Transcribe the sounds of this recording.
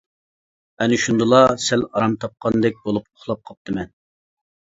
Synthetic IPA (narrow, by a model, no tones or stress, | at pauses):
ɛnɪʃund̪ɨlˠɑsælɑɾɑmt̪ʰɑp̚qʰɑnd̪ɛk̚ʲbolˠupoχlˠɑp̚qʰɑp̚t̪ɨmɛn